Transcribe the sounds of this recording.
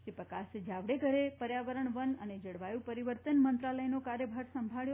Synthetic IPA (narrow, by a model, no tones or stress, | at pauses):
ʃɾipəkasd͡ʒaʋɽeɡʱəɾepəɾjaʋəɾəɳʋənəned͡ʒəɽʋajũpəɾiʋəɾt̪ənmənt̪ɾaləjnokaɾjəbʱəɾsəmbʱaɭjo